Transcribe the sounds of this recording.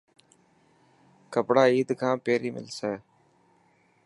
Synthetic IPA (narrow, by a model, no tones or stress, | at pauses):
kəpɽaːiːd̪kʰãːpeːɾiːmɪ̰lsɛː